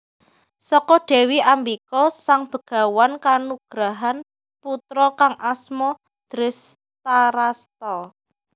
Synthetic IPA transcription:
sɔkɔɖ̥ɛ̤wiʔambikɔsaŋb̥ə̤ɡ̥a̤wankanuɡ̥ɾaɦan | put̪ɾɔkaŋʔasmɔ | d̪̥ɾɪs | t̪aɾast̪ɔ

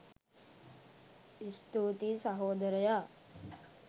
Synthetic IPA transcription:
ist̪uːt̪isaɦoːd̪ɐɾɐja

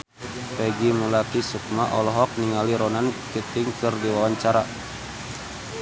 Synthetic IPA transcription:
pɛɡimulak̪isuk̚maʔɔlɔɦɔk̚niŋaliɾɔnankit̪ɪŋkɨrdiwawaɲt͡ʃaɾa

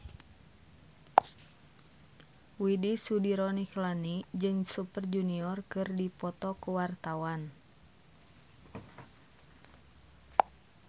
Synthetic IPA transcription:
widisudiɾɔniklanid͡ʒɨŋsupərd͡ʒuniɔrkɨrdipɔt̪ɔkuwart̪awan

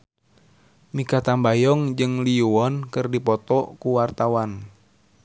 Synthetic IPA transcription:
mikat̪ambajɔŋd͡ʒɨŋliuɔnkɨrdipɔt̪ɔʔkuwart̪awan

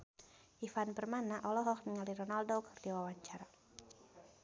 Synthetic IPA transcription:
ʔifanbərmanaʔɔlɔɦɔknəŋalirɔnaldokərdiwawaɲt͡ʃaɾa

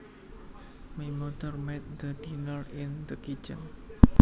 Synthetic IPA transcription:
mimot̪ərmɛt̪̚d̪ədinɔlɪnd̪əkit͡ʃən

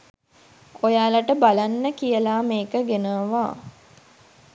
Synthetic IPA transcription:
ojaːlaʈəbalanːəkijəlaːmeːkəɡenəʋaː

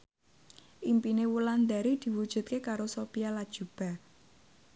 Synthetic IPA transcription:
ʔimpinewuland̪a̤ɾid̪̥i̤wud̥ʒ̥ṳt̪̚kekaɾosopijalad̥ʒ̥ṳb̥a̤

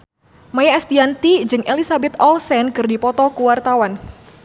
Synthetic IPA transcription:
majaɛst̪iant̪id͡ʒɨŋʔelisabɛt̪ɔlsɛnkɨrdipɔt̪ɔkuwart̪awan

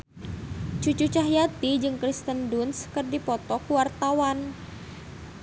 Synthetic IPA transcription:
t͡ʃut͡ʃut͡ʃaɦjat̪id͡ʒɨŋkɾist̪əndunskɨrdipɔt̪ɔkuwart̪awan

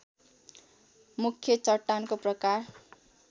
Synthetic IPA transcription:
mukʰjʌt͡sʌʈːankoprʌkar

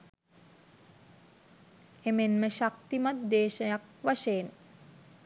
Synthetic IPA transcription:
emenməʃak̚t̪imat̪̚d̪eːʃəjak̚ʋaʃejːn

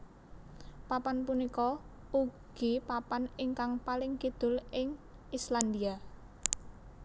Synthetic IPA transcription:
papanpunikɔ | uɡ̥ipapanɪŋkaŋpalɪŋkid̪̥ʊ̤lɪŋisland̪ia

